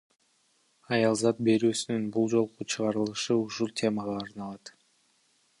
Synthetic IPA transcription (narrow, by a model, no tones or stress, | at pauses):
ɑjɑlˠzɑt̪̚be̞ɾyːsynynbulˠd͡ʒo̞lˠqut͡ʃʰɯʁɑɾɯlˠɯʃɯuʃulˠt̪ʲʰe̞mɑʁɑːɾnɑlˠɑt̪